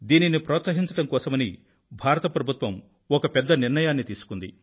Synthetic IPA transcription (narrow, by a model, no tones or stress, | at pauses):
d̪iːninipɾɔːt̪sɐɦiɲt͡ʃɐʈɐmkɔːsɐmɐni | bʱaːɾɐt̪ɐpɾɐbʱut̪ʋɐm | ɔkɐpɛd̪ːɐniɾɳɐjaːnːit̪iːsu̥kund̪ḭ